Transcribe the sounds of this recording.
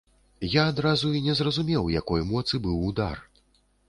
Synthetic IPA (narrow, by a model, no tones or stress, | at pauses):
jaːd̪ɾazuinʲɛzrɐzumʲɛwjakɔjmɔt̪sɨbɨwud̪a̰r